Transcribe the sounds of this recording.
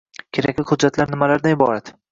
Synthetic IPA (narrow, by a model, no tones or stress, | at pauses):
kʲʰe̞ɾakʲlɪhʊd̪d͡ʒːat̪laɾnɪmalaɾd̪anɪbɒɾat̪